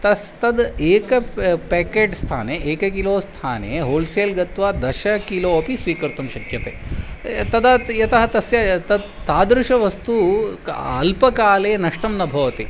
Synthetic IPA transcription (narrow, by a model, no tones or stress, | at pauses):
t̪ɐst̪ɐd̪eːkɐpeːkeːʈst̪ʰa̰ːneːʔeːkɐkiloːst̪ʰaːnḛːɦoːlseːlɡɐt̪ʋaːd̪ɐʃɐkiloːɐpisʋiːkɐɾt̪ɐmʃɐkʰjɐt̪ḛːt̪ɐd̪ɐjɐt̪ɐɦɐt̪ɐsjɐt̪ɐd̪t̪aːd̪ɾuʃɐʋɐst̪u | ɐlpɐkaːleːnɐʂʈɐmnɐbʱɐʋɐt̪i